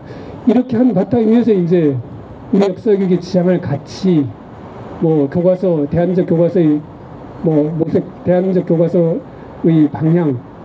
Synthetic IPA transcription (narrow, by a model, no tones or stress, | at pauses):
iɾʌkʰeɦanpat͈ʰaɡiesʰʌind͡ʑe̞ | ujʌk̚s͈ʌɡjiɡit͡ɕijaŋɯɭkat͡ɕʰi | mwʌkjoɡwasʰʌte̞ɦand͡ʑʌkjoɡwasʰʌi | mwʌmosʰek̚te̞and͡ʑʌk͈̚joɡwasʰʌ | ɯipaŋɲaŋ